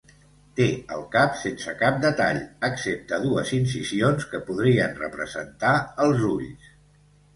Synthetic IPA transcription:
t̪eə̰lˠkapsensəkap̚d̪ət̪a̰ʎəksep̚t̪əðuəzinsisionskəpuðɾiənrə̰pɾəzə̰nt̪aəlˠzuʎs

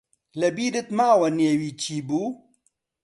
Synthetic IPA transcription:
lɐbiːdɪt̪maːwɐneːwiːt͡ʃʰiːbuː

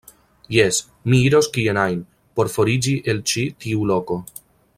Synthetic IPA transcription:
jes | miiɾo̞skienajn | po̞ɾfo̞ɾid͡ʒiʔe̞lt͡ʃitiulo̞ko̞

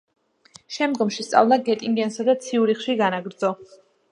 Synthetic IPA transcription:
ʃɛmd̪ɡɔmʃist̪sʼa̰vlˠaɡɛt̪ʼiŋɡ̪iɛnsad̪at̪sʰiuɾiχʃiɡanaɡɾd̪zɔ

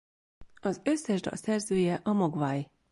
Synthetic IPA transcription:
ɒzø̞sːɛʒd̪ɒ̰lsɛrzøːjɛʔɒmoɡvaːj

